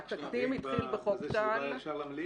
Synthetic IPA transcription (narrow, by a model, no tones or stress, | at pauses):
atakt̪imit̪χilbeχoktal